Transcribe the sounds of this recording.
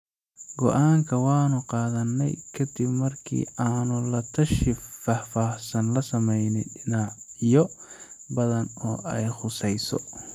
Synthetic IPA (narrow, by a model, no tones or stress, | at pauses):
ɡɔʔaːŋkʰɐwɑːnʊqɑːðɐnːɛ̰jkʰɐd̪ɪbmɐrkʰḭːaːnʊlɐt̪ʰɐʃɪfaːħfaːhsɐnlɐsɐmɛjnɪɖɪnaʕjɔ | bɐðɐnɔːʔɛjχʊsɛjsɔ̰